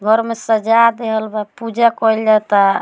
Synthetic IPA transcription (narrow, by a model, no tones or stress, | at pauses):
ɡʱəɾmesəd͡ʒad̪eɦəlbapud͡ʒakɔld͡ʒat̪a